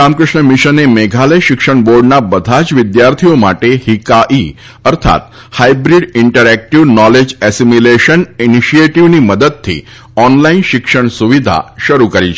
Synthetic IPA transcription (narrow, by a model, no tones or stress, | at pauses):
amkɾəʂɳəmiʃənemeɡʱaləjʃɪkʂəɳboɾɖnabəd̪ʱat͡ʃʋid̪jaɾt̪ʰijomaʈehikaʔi | əɾt̪ʰa̰t̪ | hajbɾiɖiɳʈəɾɛk̚ʈiʋnɔled͡ʒɛsimileʃəniniʃieʈiʋniməd̪əd̪̚t̪ʰːḭ | ɔnlainʃɪkʂəɳsuʋid̪ʱa̰ʃəɾukəɾit͡ʃʰ